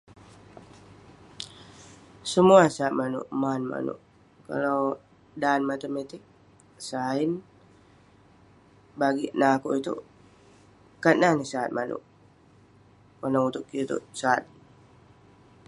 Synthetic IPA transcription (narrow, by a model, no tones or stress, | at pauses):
səmuasaːt̪̚manṵʔmanma̰nṵʔ | ka̰law | danmat̪əmet̪ik̚ | saɪn | baɡiʔnakoʔit̪ṵ | kat̪̚nanisaːt̪̚manṵʔ | kənaut̪ʊʔkit̪ṵʔsaa̰t̪̚